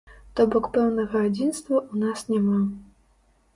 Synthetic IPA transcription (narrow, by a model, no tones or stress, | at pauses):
t̪ɔbɔkpɛwnɐɣɐad͡zʲinst̪vɐʔunasnʲama